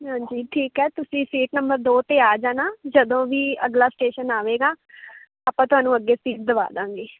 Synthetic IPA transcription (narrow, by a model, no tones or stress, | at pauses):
ɦãːɲd͡ʒiːʈʰiːkɦɛːt̪ʊsĩːsiːʈnəmbəɾd̪oːt̪eːaːd͡ʒãːnaːd͡ʒəd̪õːʋiːəɡlaːsʈeːʃənaːʋeːɡaː | aːpãːt̪ʊɦaːnũːəɡːeːsiːʈ̚d̪əʋa̰ːd̪ãːŋɡeː